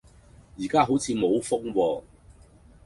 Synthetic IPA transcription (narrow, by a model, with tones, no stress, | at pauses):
jiː˨˩kaː˥ɦo˨˥wt͡sʰiː˨˧mo˨˧wfʊ˥ŋwɔː˧